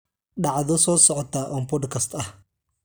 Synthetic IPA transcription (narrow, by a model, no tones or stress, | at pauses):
ɖɑʕðɔsɔːsɔʕɔt̪ʰaʔɔːmpɔd̪kʰɐst̪ʰɐh